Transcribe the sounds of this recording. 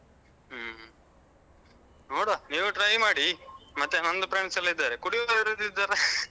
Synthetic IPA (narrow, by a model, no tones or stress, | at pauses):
noːɽoniːʋuʈɾɐjmaːɽimɐt̪ːenɐnd̪ɐpɾɐːɳɐsɐlːɐid̪ːaːɾekuɽiʋiɾod̪id̪ːaːɾe